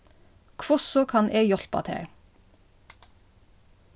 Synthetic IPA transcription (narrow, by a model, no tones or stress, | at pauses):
kʰʋʊsɔkʰɑnʔeːjɔɬpɑ̰t̪ʰḛːɹ